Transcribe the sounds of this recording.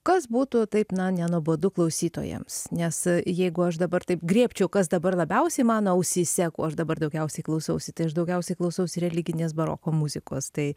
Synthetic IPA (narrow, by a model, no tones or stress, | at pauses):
kɐsbuːt̪ʊt̪ɐɪpnɐnʲɛnuɔboːd̪ʊklˠɐʊsʲiːt̪o̰ːjɛ̰msnʲɛsjɛɪɡʊɐʃd̪ɐbɐrt̪ɐɪpɡɾʲiːpʲt͡ʃʲɛʊkɐsd̪ɐbɐrlˠɐbʲɛʊsʲɛɪmɑːnoːɐʊsʲisʲɛkṵːɐʃd̪ɐbɐrd̪ɐʊɡʲɛʊsʲɛɪklˠɒʊsɐʊsʲɪt̪ɐɪɐʃd̪ɐʊɡʲɛʊsʲɛɪklˠɒʊsɐʊsʲɪɾʲɛlʲɪɡʲɪnʲeːs̬bɐɾo̰ːkoːmʊzʲɪko̰ːst̪ɐɪ